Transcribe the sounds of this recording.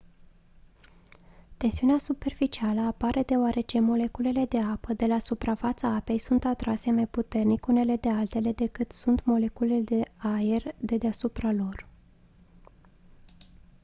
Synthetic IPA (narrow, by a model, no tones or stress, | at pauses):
t̪e̞nsiuneasupe̞rfit͡ʃialəapaɾʔe̞d̪e̞oaɾʔe̞t͡ʃe̞mo̞le̞kule̞le̞d̪e̞apəd̪e̞lasupɾafat̪səape̞jsunt̪at̪ɾase̞majput̪e̞rnikune̞le̞d̪e̞alt̪e̞le̞d̪e̞kɨt̪sunt̪mo̞le̞kule̞d̪e̞aerd̪e̞d̪easupɾalo̞r